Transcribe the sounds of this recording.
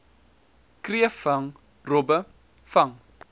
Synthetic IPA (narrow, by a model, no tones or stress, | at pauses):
kriəfɐŋ | robə | fɐŋ